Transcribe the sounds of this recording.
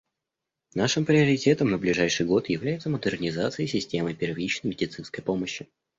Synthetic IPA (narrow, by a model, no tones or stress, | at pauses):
naʂɨmpɾʲɪəɾʲɪtʲe̞t̪əmnəblʲɪʐajʂɨjɡo̞t̪jɪvlʲæjɪt̪səməd̪ərnʲɪzat̪sɨɪsʲɪsʲtʲeməjpʲɪrvʲit͡ɕnəjmʲɪdʲɪt̪sɨnskəjpo̞məɕːɪ